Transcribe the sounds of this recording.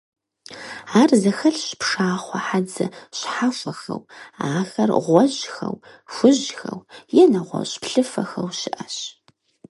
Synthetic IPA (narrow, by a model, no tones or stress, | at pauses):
aːrzɐxɐɬɕpʂaːχʷɔħad͡zɐ̰ɕħafʷɐxɐ̰waːxɐrʁʷɔʑxɐw | xʷʊʑxɐwjɛnɐʁʷɔ̰ɕpɬɨfɐxɐwɕɪʔɐɕ